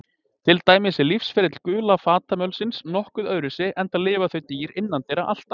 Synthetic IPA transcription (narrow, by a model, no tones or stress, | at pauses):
t̪ʰɪlt̪aːjmɪsɛlifsfɪɾɪt̪l̥kʏːlafaːt̪amœwlsɪnsnɔhkʏðœðɾʏsɪʔɛnt̪aðlɪːvaθœɥt̪iːɾɪnːant̪ɛjɾaʔa̰l̥t̪a